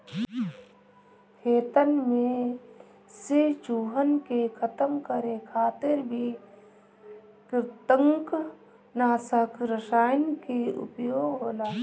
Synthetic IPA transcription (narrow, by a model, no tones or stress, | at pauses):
kʰeːt̪ənmẽ | set͡ʃuːɦənkekʰət̪əmkəɾekʰaːt̪ɪɾbʱi | kɪɾt̪əŋk | naːsəkɾəsaːjnkeʊ̰pjoːɡɦoːlaː